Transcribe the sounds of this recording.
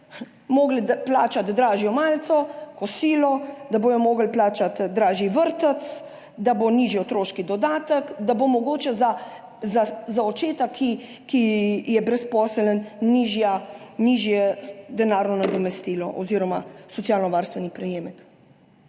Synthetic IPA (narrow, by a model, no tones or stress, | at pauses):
moːɡliplaːt͡ʃat̪d̪ɾaːʒjɔmaːlt̪sɔkɔsiːlɔd̪aboːjɔmoːɡlplaːt͡ʃat̪d̪ɾaːʒiʋəɾt̪ət̪s | d̪aboniːʒiɔt̪ɾoːʃkid̪ɔd̪aːt̪əkd̪abomɔɡoːt͡ʃɛza | zazaɔt͡ʃeːt̪akʰːi | kijɛbɾɛspɔːsələnniːʒjaniːʒjɛd̪ɛnaːɾnɔnad̪ɔmɛst̪iːlɔʔɔ̰ziːɾɔmasɔt̪sjaːlnɔʋaːɾst̪ʋɛnipɾɛjeːmɛk